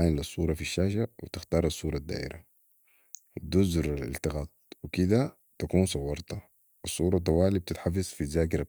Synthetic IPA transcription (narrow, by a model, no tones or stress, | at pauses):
janlːɑsˤːuːɾˤɑfiʃːaːʃawit̪ixt̪ɑːɾˤɑsˤːuːɾˤɑd̪ːa̰ːʔḭɾa | d̪uzɾˤalḭlt̪ɪɣaːt̪̚wikid̪a | t̪akuːnsˤɑwːɑɾˤt̪a | ʔɑsˤːuːɾˤɑt̪̬ˤːɑwaːlib̚t̪it̪ħafizfit̪zaːk̬ɪɾa